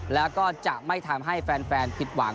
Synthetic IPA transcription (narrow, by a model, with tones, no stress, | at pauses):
lɛː˦˥wkɔː˥˩t͡ɕa˨˩ʔma˥˩jt̪ʰa˧mɦa˥˩jfɛː˧nfɛː˧npʰi˨˩t̪̚wa˩˦ŋ